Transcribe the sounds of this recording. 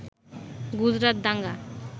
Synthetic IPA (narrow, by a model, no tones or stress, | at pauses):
ɡud͡ʒɾat̪̚d̪aŋɡa